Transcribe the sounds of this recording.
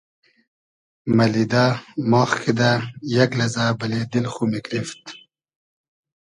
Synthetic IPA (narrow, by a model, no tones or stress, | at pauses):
mɐlid̪aːmoːxkʰid̪ajɐklɐzaːbɐled̪ilχumikɾift̪